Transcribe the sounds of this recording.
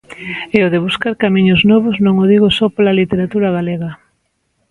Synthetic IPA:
ɛʊðeβ̞uskaɾkamĩɲʊznɔβʊznõŋoðiɣʊsɔpolalit̪eɾat̪uɾaɣaleɣɐ

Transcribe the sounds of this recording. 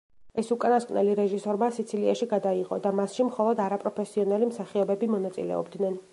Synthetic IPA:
ɛsukʼanaskʼwnɛ̰liɾɛʒisɔɾmasit̪sʰiliaʃiɡad̪aiqʼɔd̪amasʃimχɔlˠɔd̪aɾapʼɾɔpʰɛsiɔnalimsaχiɔbɛbimɔnat̪sʼḭlɛ̰ɔ̰bd̪nɛn

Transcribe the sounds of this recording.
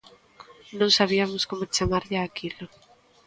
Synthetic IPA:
nõŋsaβ̞iamʊskomʊt͡ʃamaɾʎɪaːkilʊ

